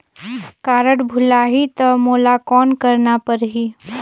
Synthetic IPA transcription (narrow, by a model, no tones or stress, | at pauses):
kaːɾəʈbʱʊlaɦit̪ɐmoːlakɔːnkəɾnapəɾɦi